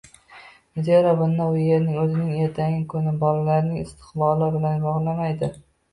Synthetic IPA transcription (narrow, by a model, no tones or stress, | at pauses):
nɪzeɾɒbɪnːaʊje̞ɾnɪŋɵzɪnɪŋeɾt̪ʰaŋʲɪkʰɵnɪbɒlalaɾnɪŋɪst̪ʰɪ̥qbɒllɪbɪlanbɒʁlˠamajd̪ɪ